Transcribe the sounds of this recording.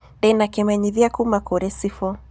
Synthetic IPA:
dɛnakɛmɛɲiðiakumakɔɾɛsifɔ

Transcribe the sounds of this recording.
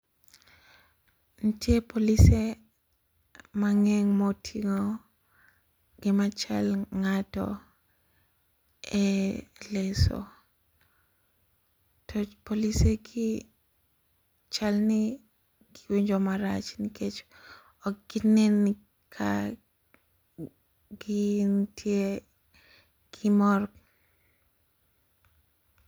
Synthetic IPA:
ntjepolise | maŋɛŋmotʰiŋo | ɡ̥ɪmat͡ʃa̰lŋatɔ̰ | ɛlɛsɔ̰ | tʰɔpoliseɡɪ | t͡ʃalni | ɡɪwiɲd͡ʒomaɾa̰t͡ʃniket͡ʃo̥ | ɔɡ̥ɪneni | kʰa̰ | ɡɪntʰje | ɡ̥ɪmɔr

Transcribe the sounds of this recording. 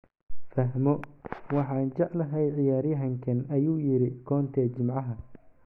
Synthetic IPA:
fɐɦmɔwɑħɑːnt͡ʃɑʕlɐɦɛjʕɪjaːɾjɐɦɐŋkʰɐnɐjuːjɪɾɪkʰɔːnt̪ʰɛːt͡ʃɪmʕɑɦɐ

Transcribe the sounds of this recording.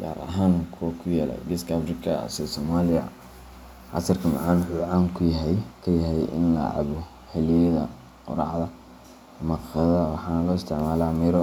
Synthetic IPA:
ɡ̥a̰ːɾɐ̰ɦaːŋkʰɔkʰʊjaːlɐ̰ɡɪskʰafrɪkʰɐ̰sɛsɔːmaːlɪɐ̰ | ʕɑ̰sɐrkʰɐmɑ̰ʕɑːnħʊːʕaːŋkʰʊjɐɦɛjkʰɐjɐɦɛjɪ̰nlɐ̰ʕɑ̰βɔ | hɛlɪjɐðɐ̰ | qʊ̰ɾɑ̰ʕdɐ | mɐqðɐwɑħɑːnɐlɔːɪst̪ʰɪʕmaːlaːmɛɾɔ

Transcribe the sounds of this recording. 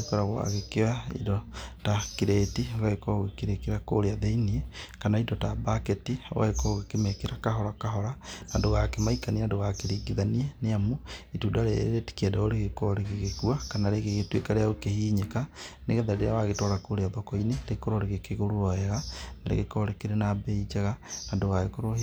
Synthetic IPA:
kɔɾaɣwa̰ɣekewaḭdɔtakiɾetioɣaɣekɔɣekeɾekeɾakoɾeaðeiniekanaidɔtabaketio̰ɣa̰ɣekɔoɣekemekeɾakaɦɔɾakaɦɔɾanadoɣakemaikaniandoɣakeɾiɡiðanieneamoitudaɾeɾeti̥kedɛoɾeɣekɔɾeɣeɣekuakanaɾeɣeɣetwekaɾeaokehiːɲekaneɣeðaɾeɾeawaɣetɔɾakoɾeaðɔkɔineɾekoɾoɾeɣekeɣoɾoɾɔɛɣanaɾḛɣekɔɾekeɾenabɛid͡ʒaɣanandoɣaɣekoɾo

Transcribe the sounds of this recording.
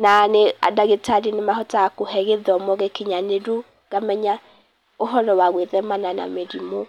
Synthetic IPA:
nanea̰daɣetaɾinemahɔtaakohɛɣeðɔmɔɣekeɲaneɾo | ɣamɛɲa | oɦɔɾɔwaɣweðɛmanana̰meɾimo

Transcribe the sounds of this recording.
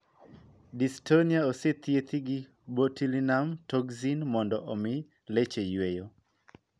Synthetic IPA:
distoniaoset̪ʰjet̪ʰiɡi | botilinamtʰɔɡzinmɔndɔʔɔmɪ | let͡ʃejwejo

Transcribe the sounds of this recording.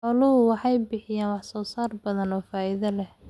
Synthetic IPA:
ħɔlʊɦʊwɑħɑjbɪħɪjaːnwɑħsɔːsaːrbɐðɐnɔːfaːʔɪðɐlɛh

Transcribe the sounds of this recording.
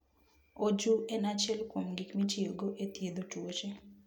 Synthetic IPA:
od͡ʒuenat͡ʃɛlkwomɡikmit͡ʃioɡoʔetjed̪otot͡ʃe

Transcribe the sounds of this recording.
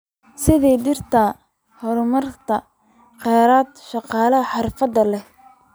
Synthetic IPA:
sɪðɛjdɪrt̪ʰɐ | hɔɾʊmɐrt̪ʰɐ | qɛːɾaːd̪ʃɑqɑːlɐɦɐħɑrfɐd̪ɐlɛ

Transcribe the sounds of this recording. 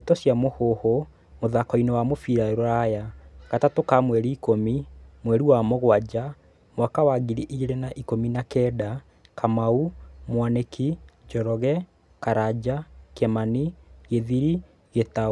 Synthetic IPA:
etɔsjamohoho | moðakɔinewamofiɾaeɾɔɾajaɣatatokamwɛɾiːkomimwɛɾiwamoɣwad͡ʒa | mwakawaɡiɾiʔieɾenaʔikominakɛda | kamaumwanekʰid͡ʒɔɾɔɣɛ | kaɾad͡ʑakɛmaniɣeðiɾi | ɣeta

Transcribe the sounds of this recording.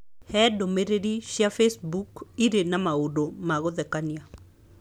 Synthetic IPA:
hɛdomeɾediʃjafesbukiɾenamaudomaɡɔd̪ɛkanja

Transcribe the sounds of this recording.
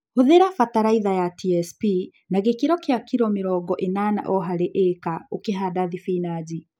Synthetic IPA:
hoðeɾafataɾaiðajatʰiɛspi | naɣekiɾɔkeakiɾɔmeɾɔːɡɔʔenana̰ʔɔɦaɾeʔekaokeɦadaðifinad͡ʑi

